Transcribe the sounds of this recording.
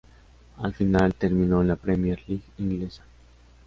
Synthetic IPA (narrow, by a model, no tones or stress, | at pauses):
alfinalt̪eɾmĩnolapɾemjeɾliɣiŋɡlesḁ